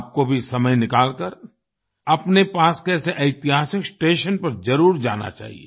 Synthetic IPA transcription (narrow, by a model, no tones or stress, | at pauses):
p̚kobʱisɐməjnɪkaːlkəɾ | ɐpnepaːskɛːseʔɐɪt̪ɪɦaːsɪksʈeːʃənpɐɾd͡ʒɐɾuːɾd͡ʒa̰ːna̰t͡ʃa̰ːɦḭḛː